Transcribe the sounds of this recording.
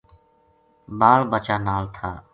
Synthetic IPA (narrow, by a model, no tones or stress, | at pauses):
baːɭbət͡ʃaːnaːlt̪ʰaː